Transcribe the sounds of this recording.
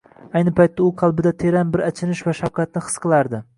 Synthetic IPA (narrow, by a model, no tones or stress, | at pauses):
ajnɪpʰajt̪ːaʊqʰɑlˠbɪd̪at̪ʰeɾanbɪɾat͡ʃʰɪnɪʃvaʃafkʰɑt̪̚nɪχɨ̥sqʰɨlˠaɾd̪ɪ